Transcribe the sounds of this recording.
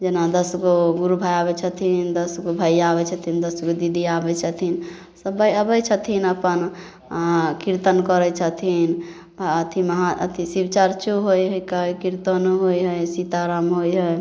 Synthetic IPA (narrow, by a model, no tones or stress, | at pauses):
d͡ʒenad̪əsɡoɡuɾubʱajaβɛt͡ʃʰət̪ʰind̪əsɡobʱajabɛt͡ʃʰət̪ʰind̪əsɡod̪id̪ʱiabɛt͡ʃʰət̪ʰin | səbəjəbət͡ʃʰət̪ʰinəpən | kiɾt̪ənkəɾɛt͡ʃʰət̪ʰin | t̪aət̪ʰiməɦaə̰t̪ʰisibt͡ʃaɾt͡ʃoɦojɦəjkəjkiɾt̪ənɦojɦəjsit̪aɾamɦojɦəj